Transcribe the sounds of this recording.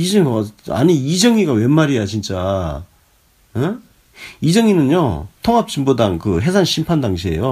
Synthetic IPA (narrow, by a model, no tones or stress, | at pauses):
id͡ʑʌŋa̰ɲiid͡ʑʌŋiɡawe̞nːaɾijat͡ɕint͡ɕ͈a | e | id͡ʑʌŋinɯnjo̰tʰoŋɦap̚t͡ɕ͈imbudaŋkɯɦe̞sʰanɕʰimpʰandaŋɕ̬ʰie̞̰jo